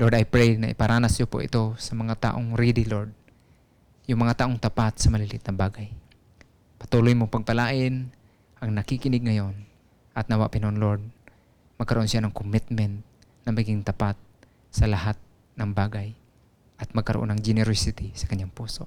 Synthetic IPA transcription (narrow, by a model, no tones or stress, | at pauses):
loɹd̪ajpɾɛjnɐ̰ʔḭpɐɾanasjopo̰ʔɪ̰t̪osɐmɐŋat̪a̰ʔoŋɾid̪iloɹd̪̚ | jʊŋmɐŋat̪aːʔoŋt̪apat̪sɐmɐlilɪt̪nɐŋbaɡaj | pɐ̥t̪ulojmoŋpɐɡ̚pɐlaːʔɪn | ʔɐŋnɐkikɪnɪɡ̚ŋɐjon | ʔɐt̪nawa̰ʔpɪnaʔonloɹd̪̚ | mɐɡ̚kɐɾoʔonsɪjanɐŋkʊmɪt̪̚mɛnt̪̚ | nɐmaɡɪŋt̪apat̪̚ | sɐlaɦat̪̚ | nɐŋbaɡaj | ʔɐt̪̚mɐɡ̚kɐɾo̰ʔo̰nːɐŋd͡ʒɛnɛɾosɪt̪isɐ̥kɐɲjaŋpuːso